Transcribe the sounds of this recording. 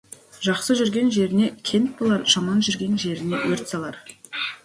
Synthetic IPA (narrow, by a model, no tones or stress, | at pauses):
ʒɑqsəʒʏɾɡʲe̞nʒe̞ɾɪne̞kʲʰe̞nt̪̚bolˠɑɾʒɑmɑnʒʏɾɡʲe̞nʒe̞ɾɪne̞wɵɾt̪sɑlˠɑɾ